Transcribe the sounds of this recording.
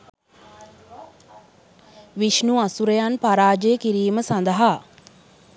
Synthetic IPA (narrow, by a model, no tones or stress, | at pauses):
ʋiʃnuasuɾejanpaɾaːd͡ʒejəkiɾiːməsand̪əɦa